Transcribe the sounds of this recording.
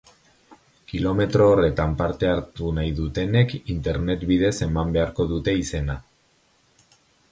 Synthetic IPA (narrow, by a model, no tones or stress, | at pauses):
kilo̞me̞t̪ɾo̞ːre̞t̪ampaɾt̪e̞aɾt̪unajðut̪e̞ne̞kint̪e̞ɾne̞t̪βiðe̞se̞mambe̞aɾko̞ðut̪e̞ise̞na